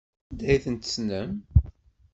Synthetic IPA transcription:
nd̪æjiθənt̪ə̥snəm

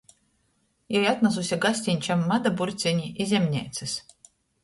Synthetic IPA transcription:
jɛjat̪nazusʲaɡasʲt̪ʲinʲt͡ʃamːad̪abuɾt̪sʲiɲʲiʔizʲɛmʲnʲɛ̰jt̪sɨs

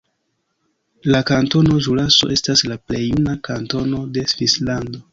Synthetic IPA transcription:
lakanto̞no̞ʒulaso̞̰ʔe̞staslaple̞junakanto̞no̞de̞svislando̞

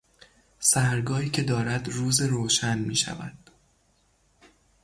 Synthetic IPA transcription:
sæhɾɡɒːiːcʰe̞d̪ɒːɾæd̪ruːzeɾoːʃænmiːʃæ̰væ̰d̪̥

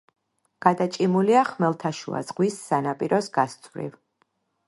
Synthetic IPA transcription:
ɡ̥ad̪at͡ʃʼimuliaχmɛlˠt̪ʰaʃṵa̰zʁwisːanapʼiɾɔsɡast̪sʼvɾḭv

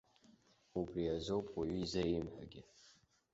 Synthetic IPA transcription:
ubriazowpʼʰwaɥizajimħʷᶣa̰ɡʲɪ

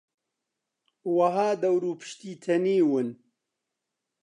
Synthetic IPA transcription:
wɐɦaːd̪ɐwɾuːpʰɨ̥ʃt̪iːt̪ʰɐniːwɨn

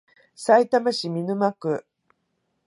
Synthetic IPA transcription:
sait̪amaɕimʲinɯ̟makɯ̟

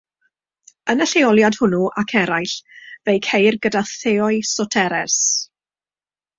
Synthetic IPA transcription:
ənəɬeɔlˠjad̥hʊnuʔakʰɛɾajɬvejkʰejrɡədaθeɔɨsɔtʰɛɾɛs

